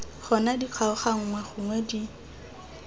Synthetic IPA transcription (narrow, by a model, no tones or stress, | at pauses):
χɔnadiq͡χʰwaʊχaŋ̩ŋwɛχʊŋwɛdi